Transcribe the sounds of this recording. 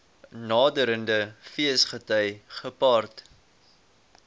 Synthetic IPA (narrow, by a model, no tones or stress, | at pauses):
nɑːdəɾəndəfiəsχətœjχəpɑːrt